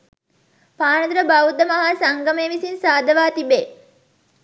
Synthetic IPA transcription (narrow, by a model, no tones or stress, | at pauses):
paːnəd̪ɾəbawd̪əmɐɦasaŋɡəmeːʋisinsaːd̪əʋaːt̪ibe